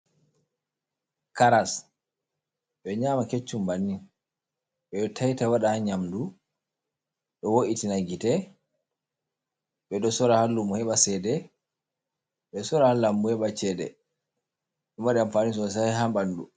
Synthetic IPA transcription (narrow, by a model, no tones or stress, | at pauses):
kaɾas | ɓɛɲaːmaket͡ʃːumbanːi | ɓɛɗɔtʰajtawaɗahaɲamdu | ɗɔwoʔitinaɡitɛ | ɓɛɗɔsɔɾahalːumɔhɛɓasɛːdɛ | ɓɛsɔɾahalːambuhɛɓat͡ʃɛːdɛ̰ | ɗɔmaɗɛamfaːnis̬ɔs̬aɦambandu